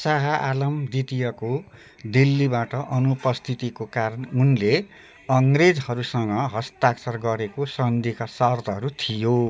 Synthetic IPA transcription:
saɦʌʔalʌmd̪it̪ijʌko | d̪ilːibaʈʌʔʌnupʌst̪ʰit̪ikokaɾʌnunle | ʌŋred͡zhʌɾusʌŋɡʌɦʌst̪aksʌrɡʌɾekosʌnd̪ikasʌrt̪ʌɦʌɾut̪ʰijo

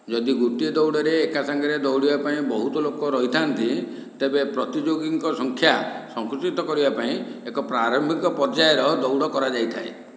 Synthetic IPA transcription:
d͡ʒɔd̪iɡuʈied̪ɔwɽɔɾeːkasaŋɡɔɾed̪ɔwɽibapaĩbɔɦut̪ɔlokɔɾɔɦit̪ʰant̪i | t̪ebepɾɔt̪id͡ʒoɡiŋkɔsɔŋkʰjasɔŋkɾut͡ʃit̪ɔkɔɾibapaĩekɔpɾaɾɔmbʱikɔpɔɾd͡ʒajɔɾɔd̪ɔwɽɔkɔɾad͡ʒajt̪ʰae

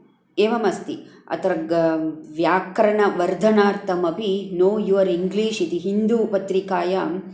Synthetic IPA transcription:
eːʋɐmɐst̪iɐ̰t̪ɾɐɡʋjaːkɾɐɳɐʋɐɾd̪ʱɐnaːɾt̪ʰɐmɐpinoːjuʋɐɾiŋɡliːʃit̪iɦind̪uːpɐt̪ɾikaːjaːm

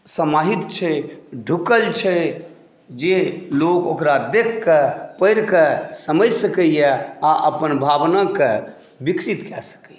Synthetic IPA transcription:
səmaɦit̪t͡ʃʰɛɖʱukəlt͡ʃʰɛ | d͡ʒelokokɾad̪ekʰːəpəɪɾkəsəməd͡ʒsəkəjɛaʔəpənbʱabnakə | bikɾit̪kɛsə̥kəj

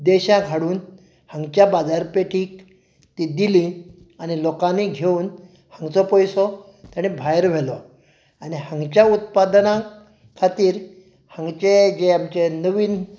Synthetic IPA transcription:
d̪eɕãɡʱaɽuːn | hãŋɡt͡ɕjabad͡zaɾpeʈʰiːk | t̪id̪ilĩ | anilokãniɡʱeuːn | hãŋɡt͡sɔpɔjsɔ | t̪jaɽ̃ibʱajɾʋ̤ʱelɔ | aɽiɦãŋɡt͡ɕjaut̪̚pad̪nã | kʰat̪iːɾ | hãŋɡt͡ɕed͡ʑeamt͡ɕenəʋiːn

